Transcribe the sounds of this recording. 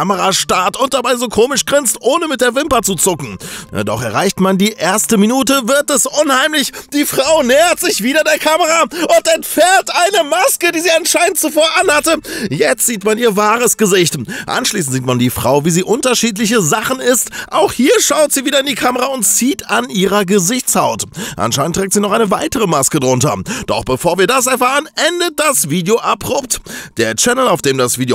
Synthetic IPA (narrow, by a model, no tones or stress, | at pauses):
aməʁaʃtaɐtʊnt̚d̥abaɪzoːkʰoːmɪʃɡ̥ʁɪnstʔoːnəmɪt̚d̥eːɐvɪmpɐt͡sut͡sʊkŋ̩̰d̥ɔ̰χɛɐʁ̞aɪçtmandiːʔeːɐstəminuːtəvɪɐtɛsʔʊnhaɪmlɪçd̥iːfʁ̥aʊnɛːɐtz̥ɪçv̥iːɾɐdeːɐkʰaməʁaʔʊntɛntfɛɐtʔaɪnəmaskədiːziːanʃaɪntt͡sufoːɐʔanhatəjɛt͡stz̥iːtmaniːɐvaːʁəsɡ̥əzɪçtʔa̰nʃliːs̬n̩tz̥iːtmandiːfʁ̥a̰ʊviːziːʔʊntɐʃiːt̬lɪç̬əzaχn̩ɪstʔa̰ʊxhiːɐʃaʊtz̥iːviːdɐɪndiːkʰaməʁaʊntt͡siːtanʔiːʁɐɡəzɪçt͡shaʊtʔa̰nʃaɪntːʁ̥ɛːk̚tz̥iːnɔχʔaɪnəvaɪtəʁ̞əmaskədʁʊntɐ̰d̥ɔ̰χb̥əfoːɐviːɐdas̬ɛɐfaːʁənʔɛndət̚d̥asv̥iːdjoʔabʁʊp̚td̥eːɐt͡ʃɛnl̩aʊfd̥eːmdasv̥iːdo